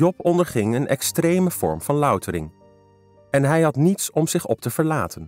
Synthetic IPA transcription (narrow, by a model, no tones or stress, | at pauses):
ɔpɔndəɹχɪŋənɛ̰kstrejməv̥ɔ̰ɹmv̥ɑnlœɥtəɾɪ̰ŋ | ɛnɦɛjɦɑtnitsɔmz̥ɪχɔp̚təv̥əɹlaːtən